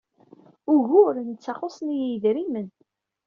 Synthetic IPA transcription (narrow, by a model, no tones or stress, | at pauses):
ʊɣʊɾnt͡sːɑχosˤnijjəðɾimən